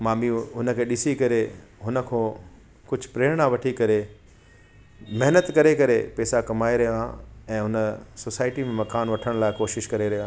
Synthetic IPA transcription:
maːmiɦʊnə̆kʰeːɗɪsikɐɾeɦʊnə̆kʰõː | kʊd͡ʑʱʊpɾeːɾɽ̃aʋɐʈʰikɐɾe | mɐɦnət̪kɐɾekɐɾepɛːsakɐmaːeɾɐɦãɛ̃ːɦʊnəsoːsaːɪʈimẽmɐkaːnʋɐʈʰəɽ̃laːɪkoːʃɪʃkɐɾeɾɐɦjoãː

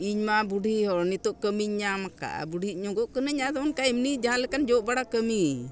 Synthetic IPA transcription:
iɲmabuɖʱiɦɔnit̪ɔʔkəmiɲɲamaka̰ʔa̰buɖʱiɲɔɡɔʔkənəɲad̪ɔɔnkajimnid͡ʒaɦãlɛkand͡ʒɔʔbaɽakəmi

